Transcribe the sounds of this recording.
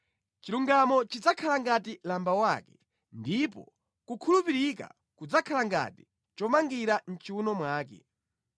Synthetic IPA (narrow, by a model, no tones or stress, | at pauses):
t͡ʃiluŋɡamɔt͡ʃid͡zakʰalaŋɡatilambawakɛ̥ | ndipɔ̰ | kukʰulupiɾika̰ | kud͡zakʰalaŋɡa̰ti̥ | t͡ʃɔmaŋɡiɾan̩t͡ʃiunɔmwaːk̬ɛ̰